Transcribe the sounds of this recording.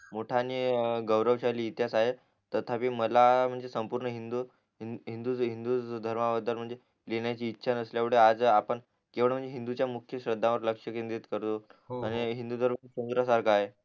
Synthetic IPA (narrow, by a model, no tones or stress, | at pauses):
moʈʰaniːɡəwɾəʋɕaliːt̪jasaɦe | t̪ət̪ʰapiːməlam̤əɳd͡zesəmpuɾɳəɦind̪u | ɦind̪uɦind̪uːd̪ʱəɾmaʋəd̪ʱəlm̤əɳd͡ze | leɳjat͡ɕiːtːɕʰanəsljaʋ̤uɽ̤ead͡zapəɳ | keʋəɳm̤əɳd͡zeɦind̪ut͡ɕjamukʰjəɕɾəd̪ʱːãʋəɾləkʂəkind̪it̪kəɾt̪oaɽ̃iɦind̪ud̪ʱəɾmsund̪ɾasaɾkʰaːɦe